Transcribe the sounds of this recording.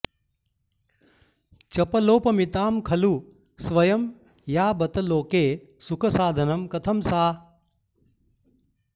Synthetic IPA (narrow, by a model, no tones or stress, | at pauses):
t͡ʃɐpɐloːpɐmit̪aːmkʰɐlu | sʋɐjɐm | jaːbɐt̪ɐloːkeː | sukʰɐsaːd̪ʱɐnɐmkɐt̪ʰɐmsaː